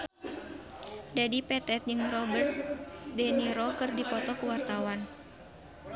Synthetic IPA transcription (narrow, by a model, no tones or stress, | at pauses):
dadipɛt̪ɛt̪̚d͡ʒɨŋrɔbərt̪̚dɛniɾɔkɨrdipɔt̪ɔkuwart̪awan